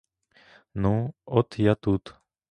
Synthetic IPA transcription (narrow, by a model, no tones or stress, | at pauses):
nũot̪ʰjat̪ut̪